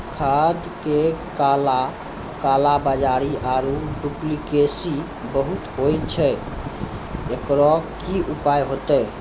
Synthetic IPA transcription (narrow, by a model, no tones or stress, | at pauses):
kʰad̪kekala | kalabad͡ʒaɾiʔaɾuɖuplikesi | bəɦut̪ɦojt͡ʃʰɛ | ekɾɔkiʔupajɦot̪ɛ